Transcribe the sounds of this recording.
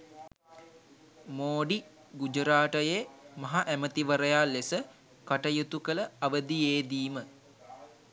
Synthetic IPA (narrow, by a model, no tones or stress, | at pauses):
moːɖi | ɡud͡ʒəɾaːʈəjemɐɦaʔæmət̪iʋəɾəjalːesə | kaʈəjut̪ukələaʋəd̪ijeːd̪iːmə